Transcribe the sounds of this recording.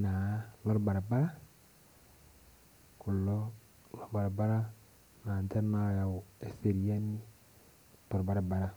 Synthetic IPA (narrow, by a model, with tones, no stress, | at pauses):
na˨˦lɔ˦ɾba˨ɾa˨ba˦ɾa˦ | ku˨lɔ˦ | lɔ˨ba˨ɾa˨ba˦ɾa˦ | naː˨ntɛ˦na˦ja˨o˨e˨se˨ɾi˦a˦ni˦ | lɔ˦ɾba˨ɾa˨ba˨ɾa˨